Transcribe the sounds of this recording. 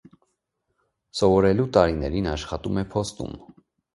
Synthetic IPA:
sɔvɔɾɛlut̪ɑɾinɛɾinɑʃχɑt̪umɛpʰɔst̪ṵm

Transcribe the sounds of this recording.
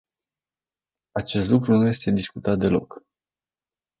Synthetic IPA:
at͡ʃe̞st̪lukɾunuje̞st̪e̞d̪iskut̪at̪̚d̪e̞lo̞k

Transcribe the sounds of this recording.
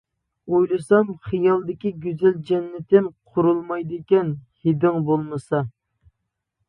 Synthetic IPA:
ojlˠɨsɑmχɨjɑlˠd̪ɪkʲiɡʲyzɛld͡ʒɛnːɪt̪ʰɪmqʰʊɾulˠmɑjd̪ɪkʲɛnhed̪ɪŋbolˠmɨsɑ

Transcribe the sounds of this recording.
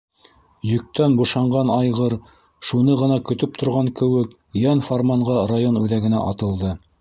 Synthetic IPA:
jɵ̆k̚t̪ænbŭʃɑɴɢɑnɑjʁɤɾ | ʃunɤʁɤ̆nɑkɵ̆t̪ɵp̚t̪ʰŏɾʁɑŋkɘ̆wɘk | jænformɑɴɢɑrajonʉðæɡɘ̆næ̰ʔɑt̪ɤ̆lˠd̪ɤ

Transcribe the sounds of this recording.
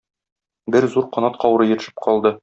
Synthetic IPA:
bɘɾzuɾqɒnɑt̪qʰɒwɤɾɤjɘ̆t̪ɘ̆ʃɘ̥p̚qɒlˠd̪ɤ

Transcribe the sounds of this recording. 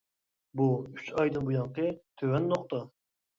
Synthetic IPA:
buyt͡ʃɑjd̪ɨnbujɑɴqət̪ʰøwɛnːoqt̪ʰɑ

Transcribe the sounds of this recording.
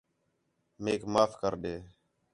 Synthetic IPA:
meːkmaːfʰkəɾɗeː

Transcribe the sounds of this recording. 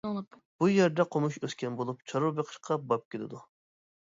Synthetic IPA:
o | b̥ujɛɾd̪ɛqʰomuʃøskʲɛnbolˠup̚t͡ʃʰɑɾubeqʰə̥ʃqʰɑbɑp̚kʲelɪ̰d̪u

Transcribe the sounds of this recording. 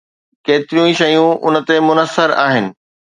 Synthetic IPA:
keːt̪ɪɾijũiʃɐjũʊnə̆t̪emʊnəsːəɾa̰ːɦɪnɪ̆

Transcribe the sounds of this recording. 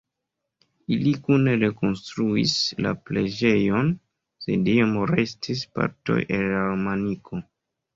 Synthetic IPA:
ilikuneɾe̞ko̞nstɾuisla̰ple̞d͡ʒe̞jo̞n | se̞̰diamɾestʰispa̰ɾto̰jʔelalmanikʰo̞

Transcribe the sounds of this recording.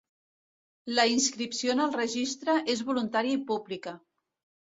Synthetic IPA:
ləinskɾipsionəlˠrəʒist̪ɾəʔezβulunt̪aɾiəipublikə

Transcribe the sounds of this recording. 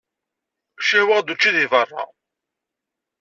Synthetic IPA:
ʃæwəʁd̪ut͡ʃːiðivərˤːɑ̰

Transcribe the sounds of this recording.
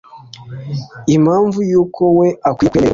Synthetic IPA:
imaːɱvujuːkʰo̞we̞akwiːkweḛ

